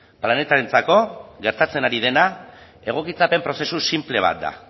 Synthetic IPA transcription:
plane̞t̪aɾe̞nt͡sako̞ɣe̞ɾt̪at͡se̞naɾið̞e̞na | e̞ɣ̞o̞kit͡sape̞mpɾo̞se̞susimple̞β̞a̰t̪̚d̪a̰

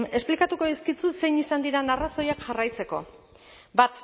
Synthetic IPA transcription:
e̞splikat̪uko̞ðiskit͡sut̪se̞jnisand̪iɾanaraso̞jakʝarajt͡se̞ko̞̰ | bat̪

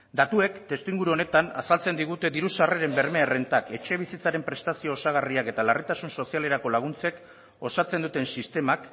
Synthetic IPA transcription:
d̪at̪ue̞kt̪e̞st̪iŋɡuɾuo̞ne̞t̪ana̰salt͡se̞nd̪iɣ̞ut̪e̞ðiɾusareɾe̞mbe̞ɾmeerent̪ake̞t͡ʃe̞β̞isit͡saɾe̞mpɾe̞st̪asio̞ːsaɣ̞ariake̞t̪alarit̪asunso̞siale̞ɾako̞laɣ̞unt͡se̞k | o̞sat͡se̞nd̪ut̪e̞nsist̪e̞mak

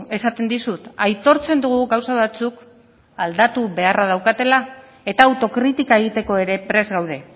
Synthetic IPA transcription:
e̞sat̪e̞nd̪isut̪ajt̪o̞ɾt͡se̞nd̪uɣ̞uɣawsaβ̞at͡suk | ald̪at̪uβe̞arað̞awkat̪e̞la | e̞t̪aːwt̪o̞kɾit̪ikae̞ɣ̞it̪e̞ko̞e̞ɾe̞pɾe̞zɣawðe̞

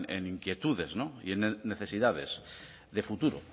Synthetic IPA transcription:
ḛniŋkje̞t̪uðe̞znoḭenne̞θe̞siðað̞e̞s | ðe̞fut̪uɾo̰

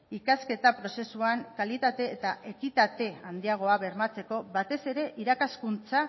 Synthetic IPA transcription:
ikaske̞t̪apɾo̞se̞suaŋkalit̪at̪e̞ːt̪aʔe̞kit̪at̪e̞and̪iaɣ̞o̞aβe̞ɾmat͡se̞ko̞βat̪e̞se̞ɾe̞ʔiɾakaskunt͡sa

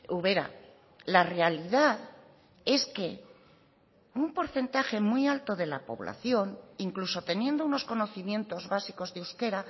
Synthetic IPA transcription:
uβe̞ɾa̰ | lare̞aliðað | e̞ske̞ | umpo̞ɾθe̞nt̪axe̞mujalt̪o̞ðe̞la̰po̞̰βla̰θjo̞niŋkluso̞t̪e̞nje̞nd̪ouno̞sko̞no̞θimjẽ̞nt̪o̞zβasiko̞zðeewske̞ɾa

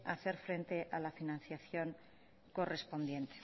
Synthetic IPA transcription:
aθe̞ɾfɾe̞nt̪e̞ʔalafinãnθjaθjo̞ŋ | ko̞re̞spo̞nd̪je̞nt̪e̥

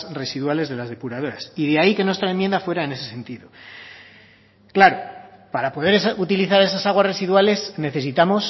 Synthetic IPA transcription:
re̞siðwale̞zðe̞lazðe̞puɾað̞o̞ɾasiðeaike̞nwest̪ɾaemje̞nd̪afwe̞ɾaene̞se̞se̞nt̪iðo | klaɾopaɾapo̞ð̞e̞ɾesut̪iliθaɾe̞s̬asaɣ̞wasre̞siðwale̞sne̞θe̞sit̪amo̞s

